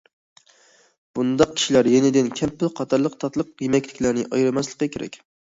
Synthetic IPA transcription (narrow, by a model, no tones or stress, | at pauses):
b̥und̪ɑq̚kʲi̥ʃilæɾjenɪd̪ɪnkʲʰɛmpɪlqʰɑt̪ʰɑɾlˠəqt̪ʰɑt̪lˠəq̚jemɛkʲlɪkʲlæɾnɪʔɑjɾɨmɛslˠə̥qːɑkʲeɾɛ̰kʲ